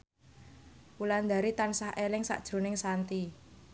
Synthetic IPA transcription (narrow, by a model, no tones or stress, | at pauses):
uland̪a̤ɾit̪ansahelɪŋsa̰ʔd̥ʒ̥ɾṳnɪŋsant̪i